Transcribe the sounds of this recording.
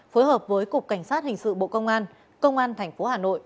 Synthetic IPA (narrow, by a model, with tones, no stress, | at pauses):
foː˨˦jhəː˨˩p̚vəː˨˦jkʊ˨˩k͡p̚ka˧˩jŋ̟saː˦˥t̚hï˨˩ŋ̟sɨ̰˧˨ɓo̰˧˨kə˧wŋ͡mʔaː˧n | kə˧wŋ͡mʔaː˧nt̪ʰɛ˨˩jŋ̟fo˨˦haː˨˩no̰˧˨jʔ